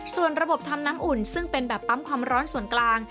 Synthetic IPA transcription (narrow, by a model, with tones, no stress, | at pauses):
su˨˩ənɾa˧bo˨˩p̚t̪ʰa˧mnaː˦˥mʔu˨˩nsɯ˥˩ŋpe˧nbɛː˨˩pːa˦˥mkʰwaː˧mɾɔː˦˥nsu˨˩ənklaː˧ŋ